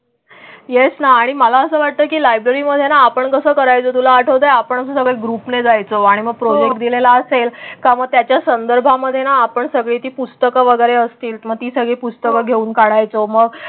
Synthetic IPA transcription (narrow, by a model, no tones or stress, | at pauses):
jesnaːɽ̃iməlaəsəːʋaʈ̚t̪əːkiːlajbɾəɾiːməd̪ʱːjenaːpəɳkəsəːkəɾajt͡sot̪̬ulaːʈʰəʋd̪ajapəɳ̃əsũsəɡɭeɡɾupned͡zajt͡soaɽ̃iməɡ̚pɾɔd͡ʑek̚ʈd̪ilelaəselkaməɡ̚t̪jat͡ɕjasənd̪əɾbʱaməd̪ʱːjenaːpəɳsəɡɭiːt̪iːpust̪əkəʋəɡəjɾeəst̪iːlməɡ̚t̪iːsəɡɭiːpust̪əkəɡʱeuːnkaɽajt͡soməɡ